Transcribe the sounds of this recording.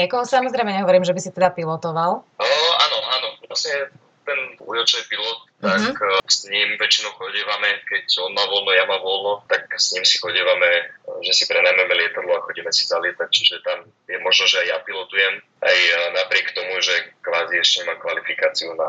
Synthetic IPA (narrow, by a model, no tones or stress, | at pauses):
ɲɛkɔɦɔsamɔzɾɛɪmɛɲɛɦɔʋɔɾiːmʒɛbisit̪ɛd̪apilɔt̪ɔʋaləa̰ːnɔaːnɔʋlasɲɛ | t̪ɛnṵjɔt͡ʃnipilɔt̪̚ːaksɲimʋɛt͡ʃinɔʊxɔɟiːʋamɛkɛcɔnmaːʋɔlnɔjamaːʋɔlnɔt̪ak̚sɲimsi̥xɔɟiːʋamɛʒɛsipɾɛnajmɛmɛlɪɛt̪ad̪lɔaxɔɟɛmɛsi̥zalɪɛt̪ac̚t͡ʃiʒɛt̪am | jɛmɔʒnɔʒɛajjapilɔt̪ujɛm | ʔa̰jnapɾɪɛkt̪ɔmuʒɛkʋaːziɛʃcɛɲɛmamkʋalifikaːt͡siuna